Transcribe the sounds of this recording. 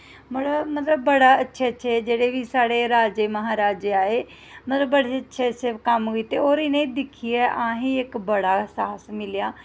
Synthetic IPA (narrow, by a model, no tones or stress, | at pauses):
mɐɽəmɐt̪ləbːəɽaɐtːʃʰeətːʃʰed͡ʒeːɽeʋisaːɽeɾaːd͡ʒeməɦaːɾaːd͡ʒaːeː | mɐt̪ləbːəɽeətːʃʰeətːʃʰekɐmɦoit̪eoːɾɪnẽd̪ɪkʰiɛːʔãːɦẽɪkbəɽaːsaːsmɪlijaː